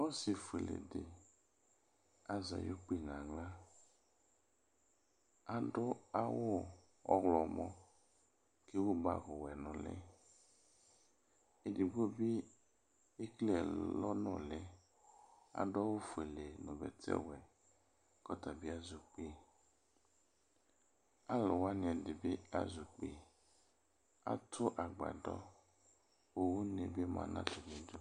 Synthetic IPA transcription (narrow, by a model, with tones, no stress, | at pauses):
wɔ˦si˨fu˨e˨lḛ˨de˨ | a˦za̰˨jo˦k͡pi˦nã˨ŋla˦ | a˨ɖʊ˦a˦wʊ˦ | ɔ̰˦ɣlɔ˨mɔ̃˦ | ke˦wo˦ba̰˨ɣʊ˨wɛ˨nɔ̃˨lɛ̰˦ | e˨di˨ɡ͡bo˦bi˦ | e˦klɛ˨lɔ˦nɔ̃˦˨lɛ˦ | a̰˨dɔ˦wo˦fu˨e˨le˨nɔ̃˨bɛ̰˨tʰɛ̰˦wɛ˨ | kɔ˦ta˨bɪ˦a˦zu˨k͡pe˦ | a˦lɔ˨wa˦nɪ̃˨ɛ˨dɪ˨be˦a̰˨zu˨k͡pe˦ | a̰˨tʰʊ˦ʔa˨ɡ͡ba̰˨dɔ̰˦ | wo˦wu˦nḛ˨be˦mã̰˨nã̰˦to˨nĩ˨du˦